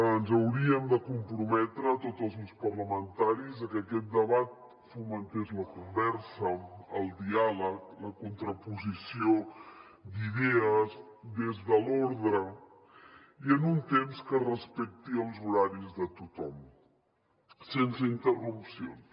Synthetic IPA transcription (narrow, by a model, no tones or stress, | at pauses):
ənzəwɾiəmd̪əkumpɾumɛt̪ɾəːt̪ozəlˠzunspərləmənt̪aɾizəkəkɛt̪̚d̪əβat̪̚ | fumənt̪ezləkumbɛɾsəəlˠd̪ialəkləkunt̪ɾəpuzisio | d̪iðɛəzd̪ezðəloɾðɾə | iənunt̪emskərəspɛk̚t̪iəlˠzuɾaɾizðət̪ut̪ɔm | sensəint̪ərupsio̰n